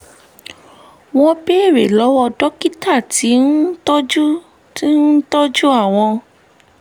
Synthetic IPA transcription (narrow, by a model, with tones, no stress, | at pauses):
w̃ɔ̃˦be˦e˦˨ɾḛ˨lɔ˨˦wɔ˧dɔ˦ki˦ta˦˨ti˨˦n̩˦tɔ˦d͡ʒu˦ | ti˦n̩˦tɔ˦d͡ʒu˦a˦˨w̃ɔ̃˧